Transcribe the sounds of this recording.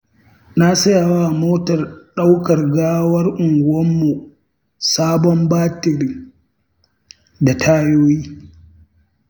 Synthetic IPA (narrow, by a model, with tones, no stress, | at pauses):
na˦sɐ˦ja˨waː˦˨moː˦tɐ˨rɗa˦wkɐ˨rɡaː˦wɐ˦rʔʊ˨ŋɡʷɐ˦mːu˨ | saː˦bɔ˦mbaː˦tɪ˨ɾɪ˦ŋ | da˨tʰaː˦joː˦jiː˦